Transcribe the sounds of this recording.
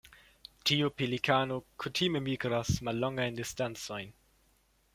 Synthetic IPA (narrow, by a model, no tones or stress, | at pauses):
tʰiupilikʰanokʰutʰime̞miɡɾasmalːoŋɡajndistant͡so̞jn